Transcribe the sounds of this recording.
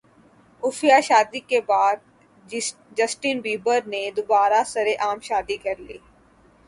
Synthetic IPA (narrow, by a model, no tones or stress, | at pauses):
ʊfjaʃaːd̪ikebaːd̪̚ | d͡ʒɐsʈinbiːbəɾned̪ʊbaːɾasɐɾeʔaːmʃaːd̪ikɐɾlḭː